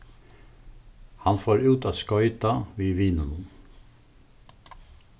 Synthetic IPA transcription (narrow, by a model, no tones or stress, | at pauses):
hɑnfoːɾʉːt̪ʰɑːskɔʏt̪ɑʋiːʋiːnənən